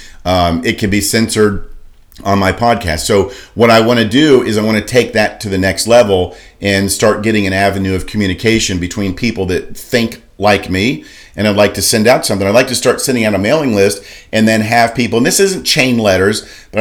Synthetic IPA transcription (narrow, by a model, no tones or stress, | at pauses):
ɪt̚kʰɨ̃nbisɛ̃nsə˞ɾ̃ | n̩maɪpʰɑd̚kʰæ̰stsoʊwʌɾaɪwɑ̃ñɨdɨɪzaɪwɑ̃nɨtʰeɪk̚ðɨtʰɨðɨnɛkstˡlɛvl̩ˠ | ʔɨ̃nstɑɹt̚ɡ̥ɛɾɪ̃ŋɨ̃ñævɨ̃nʉʌv̥kʰmjʉñɨkʰeɪʃɨ̃nbɨtʰw̥ĩnpʰipl̩ˠðɨt̪̚θɪ̃ŋk | laɪkmi | ʔɨ̃ñaɪdˡlaɪk̚tʰɨsɛ̃ndaʊtsʌ̃mθɪ̃ŋaɪdlaɪk̚tɨstɑɹtsɛ̃ɾɪ̃ŋaʊɾəmeɪlˠɪ̃ŋlɪstʔɨ̃nðɨ̃nɨv̥pipl̩ˠə̃nðɪsɪzɨ̃n̩t͡ʃʰẽɪ̃nlɛɾə˞z | b̥ʌɾ